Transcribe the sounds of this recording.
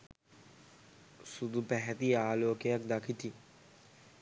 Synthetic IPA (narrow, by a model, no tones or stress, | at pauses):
sud̪upɛɦɛt̪iaːloːkeək̚d̪akʰit̪i